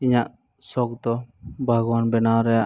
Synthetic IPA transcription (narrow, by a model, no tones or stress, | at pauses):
iɲaʔ | sɔk̚d̪ɔbʱaɡwanbɛnawɾɛjaʔ